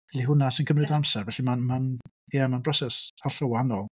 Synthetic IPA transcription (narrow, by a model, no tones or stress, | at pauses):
ɛɬiɦʊnasɪnkəmrɨdamsɛrvɛɬimanman | jamanbrɔsɛshaɬɔwanɔlˠ